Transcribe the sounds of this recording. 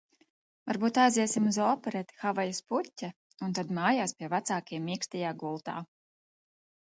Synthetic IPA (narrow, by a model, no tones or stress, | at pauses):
va̰ɾbuːt̪ajziɛsimuzɔːpɛɾɛt̪i̥xavajasputʲːa | unt̪ad̪maːjaːspʲiɛvat̪saːkiɛmːikst̪ɛjaːɡulˠt̪a̰ː